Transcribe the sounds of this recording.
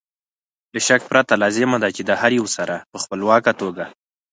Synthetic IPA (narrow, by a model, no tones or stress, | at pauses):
d̪əʃak̚pɾat̪alɑzɪmad̪at͡ʃed̪əhaɾjawsaɾʔapəxpəlwɑkat̪oɡa